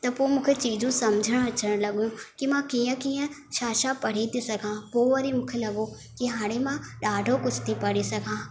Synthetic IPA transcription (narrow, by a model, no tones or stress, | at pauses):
t̪ɐpoːmũːkʰet͡ɕiːd͡ʑũsɐmd͡ʒʱəɽ̃ɐt͡ʃəɽ̃lɐɠjũkimãkiːə̃kiːə̃ | ʃaːʃapɐɽ̤it̪ʰisɐɡʱãːpoːʋɐɾimʊ̃ːkʰelɐɠo | kiɦãːɽ̃emãɗaːɖʱokʊt͡ʃʰt̪ʰipɐɽ̤isɐɡʱãː